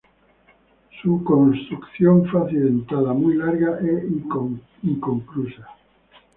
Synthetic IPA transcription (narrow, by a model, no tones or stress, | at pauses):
sukõnst̪ɾukθjõɱfaθilðẽnt̪aðamujlaɾɣaʔei | iŋkoŋkɾusa